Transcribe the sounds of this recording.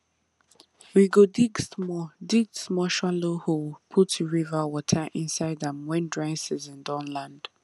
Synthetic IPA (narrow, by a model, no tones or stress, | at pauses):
wiɡodiɡsmɔdiɡsmɔʃaloholpʰʊtʰuɹivəwɔtʰəʔɪ̃nsaɪdðə̃mwɛ̃ndɹãɪnsɪzɪ̃ndɔ̃nlãnd̥